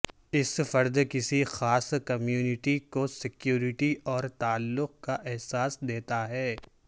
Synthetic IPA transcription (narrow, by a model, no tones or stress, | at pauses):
ɪsfɐɾd̪kɪsixaːskɐmjuːnɪʈikosɪkjuːɾɪʈiʔɔːɾt̪aːlːʊq̚kaʔɛɦsaːsd̪eːt̪aɦɛː